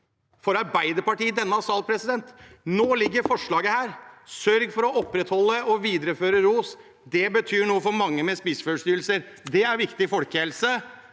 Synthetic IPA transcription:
fɔɾɑɾbæɪd̪əɾpɑʈiːd̪ɛnːəɑsɑːlpʰɾɛsɪd̪ɛnt̪noːlɪɡːəɾfɔʂɭɑːɡəhæːɾsœɾɡfɔɾɔɔpɾɛt̪hɔlːəɔʋiːd̪əɾəføːɾəɾuːs | d̪ɛbət̪ʰyːɳuːəfɔɾmɑŋːəmɛspɪsføːʂt̪yːɾlsəɾd̪ɛæɾʋɪkt̪ɪfɔlkəhɛlsə

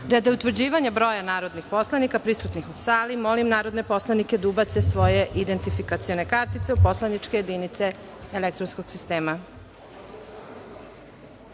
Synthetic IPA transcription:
ɾed̪aut̪ʋr̩d͡ʑiːʋaɲabɾo̞janaːɾo̞d̪nixpo̞slˠanikapɾisut̪nixusaːlimo̞limnaːɾo̞d̪nepo̞slˠaniked̪ubat̪sesʋo̞jeʔid̪ent̪ifikat̪sio̞nekaɾt̪it̪seupo̞slanit͡ʂkejed̪init̪se̞ | elek̚t̪ɾonskoɡ̥sist̪eːma

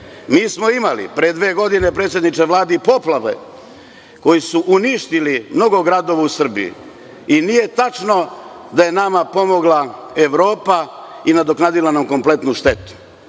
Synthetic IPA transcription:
miːsmo̞imalḭpɾeed̪ʋeːɡo̞d̪ine̞pɾet̪sjed̪nit͡ʃeʋlˠaːd̪ipo̞plˠaʋḛ | ko̞jisuʔuniʃt̪ilimno̞ɡo̞ɡɾad̪o̞ʋausr̩bijṵ | inije̞t̪at͡ʃno̞ | d̪aje̞namapo̞mo̞ɡlˠaeʋɾo̞ːpa | inad̪o̞knaːd̪ilanamko̞mple̞t̪nuʃt̪e̞t̪u̥

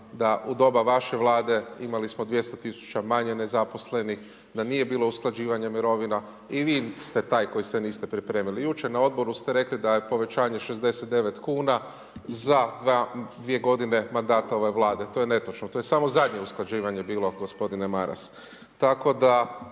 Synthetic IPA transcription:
d̪aʔud̪o̞baʋaʃe̞ʋlˠaːd̪e̞imalismo̞d̪ʋje̞st̪ot̪isu̥t͡ʃamaɲe̞ne̞zapo̞sle̞nix | d̪aniːje̞biːlˠo̞usklˠad͡ʒiːʋaɲemiɾo̞ʋina | iʋiːst̪e̞t̪aːjko̞jist̪eniːst̪e̞pɾipɾe̞ːmilijut͡ʃeɾnao̞d̪bo̞ɾust̪eɾe̞klid̪aje̞po̞ʋe̞t͡ʃaːɲe̞ʃezd̪e̞set̪̚d̪e̞ʋe̞t̪kuːna | zad̪ad̪ʋie̞ɡo̞d̪ine̞mand̪aːt̪ao̞ʋe̞ʋlˠaːd̪et̪o̞jene̞t̪ot͡ʃnot̪o̞jesamo̞zad̪ɲe̞usklˠad͡ʑiːʋaɲe̞biːlo̞ɡospo̞d̪inemaɾa̰s | t̪ako̞d̪a

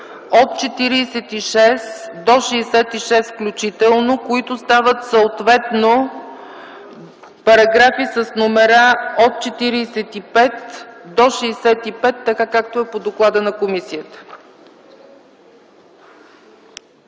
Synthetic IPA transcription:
ot̪t͡ʃɛt̪iɾiːsɛt̪iʃɛsd̪oʃɛːsɛt̪iʃɛst̪fklʲut͡ʃit̪ɛlˠnokoit̪ost̪avət̪səot̪vɛt̪no | pɐɾɐɡɾafisəsnomɛɾaot̪̚t͡ʃɛt̪iɾiːsɛt̪ipɛt̪d̪oʃɛːsɛt̪ipɛt̪ːɐkakak̚t̪oɛpod̪oklˠad̪ənɐkomisijət̪ə̥

